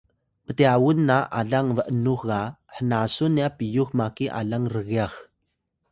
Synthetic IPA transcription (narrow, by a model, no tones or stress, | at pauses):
pəteawunːaʔa̰ɮaŋvəʔənuxɣaħənasunːiapijuxmakiʔa̰ɮaŋrəɣiax